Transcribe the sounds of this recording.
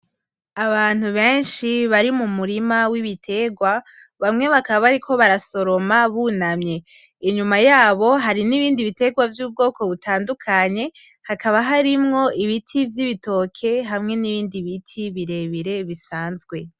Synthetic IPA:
aβaːn̥huβe̞ːnʃiβaɾimumuɾimawiβitʰe̞ɡwa | βamŋe̞βakaβaβaɾikʰo̞βaɾaso̞ɾo̞maβunamɲe̞ | iɲumajaːβo̞ɦaɾiniβiːndiβite̞ɡwavjuːb̚ɡo̞ːkʰo̞βutʰaːndukʰaɲe̞ | hakaβaɦaɾimŋo̞iβitʰivjiβito̞kʰe̞ɦamŋe̞niβiːndiβitʰiβiɾe̞βiɾe̞βisaːnzɡwe̞

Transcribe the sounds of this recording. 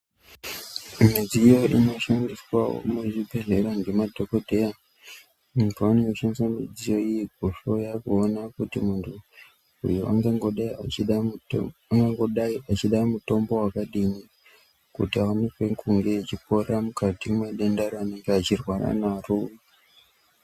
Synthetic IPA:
mid͡zijo̞ʔino̞ʃandiswao̰muʐibʱeɮeɾaŋɡemadʱo̞kodʱe̞ja | muntʰuaneŋɡoʃandiswamid͡zijo̞ijeɡ̚ʱoʃo̞jaːkuːnakutimuntʰu | ṵjua̰ŋɡaŋɡoɗaiat͡ʃiɗ | aŋɡaŋɡoɗat͡ʃiɗaimuto̞mbo̞wakaɗini | kṵtiaunekwekuŋɡe̞t͡ʃipo̞ɾamukatimmaɗendaɾoane̞ŋɡeat͡ʃirwaɾa̰narua

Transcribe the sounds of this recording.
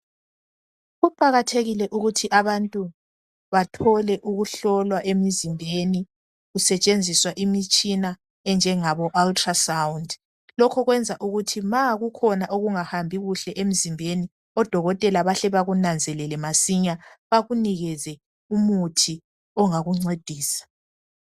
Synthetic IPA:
ɣupʼaɣatʰeɣilɛʔuɣutʰiʔaβantʼu | βatʰɔlɛʔuɣuɬɔlwaʔemizimbʱeni | ɣusɛt͡ʃʼend͡zʱiswaʔimit͡ʃʼina | ɛnd͡ʒʱɛŋaβɔʔaltʰʼrasawund | lɔkʰɔɣwɛnd͡zʱaʔuɣutʰimaɣukʰɔnaʔoɣuŋahambʱiɣuɬɛʔem̩zimbʱeni | ɔd̥ʱɔɣɔtʼɛlaβaɬɛβaɣunand͡zʱɛlɛlɛmasiɲaβaɣuniɣɛzɛ | umutʰi | ɔŋaɣuŋ͡ǀed̥ʱiːsḁ

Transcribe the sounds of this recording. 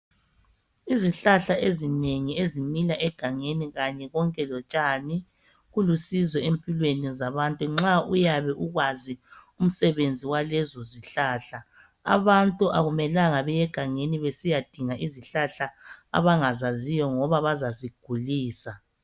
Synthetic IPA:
iziɬaɬaʔezineŋiezimilaʔɛɡ̥ʱaŋeniɣaɲɛɣɔŋkʼɛlɔt͡ʃʼani | ɣulusizɔempʼilwenizaβantʼuŋ͡ǁaujaβɛʔuɣwazium̩sɛβend͡zʱiwalɛzɔziɬaːɬa | a̰βantʼuʔaɣumɛlaŋaβɛjɛɡ̥ʱaŋeniβesijad̥ʱiŋaʔiziɬaɬaa̰βaŋazazijɔŋɔβaβazaziɡ̥ʱuliːsa

